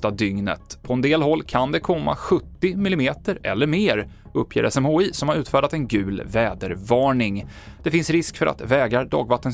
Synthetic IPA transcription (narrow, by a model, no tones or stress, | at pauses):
t̪ad̪ʏŋnə̰t̪pʰɔɛnd̪eːlɦɔlːkʰand̪ɛkʰɔmːa̰ɧɵt̪ːɪmɪlɪmeːt̪əɾɛ̰lːəɾmeːɾ | ɵpʰːjḛːɾʔɛsɛmhoːiːsɔmhaɾʉ̟ːt̪fæːɖat̪ɛnɡʉ̟ːlvɛːd̪əɾvɑːɳɪŋ | d̪̥ɛfɪnsɾɪskfœɾʔa̰t̪vɛːɡɾaɾɖ̪ɑ̰ːɡvat̪ːən